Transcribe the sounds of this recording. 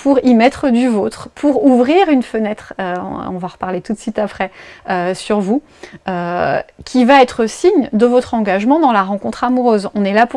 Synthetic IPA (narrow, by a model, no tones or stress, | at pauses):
puʁimɛt̪χəd̪yvot̪χpʰuʁuvʁiʁynfənɛt̪χøɔ̃vaʁpaʁlet̪ut̪sɥit̪apχɛøsyʁvu | økʲʰivaɛt̪χəsiɲd̪əvɔt̪χɑ̃ɡaʒmɑ̃d̪ɑ̃laʁɑ̃kɔ̃t̪χamuʁøzɔ̃nɛlapu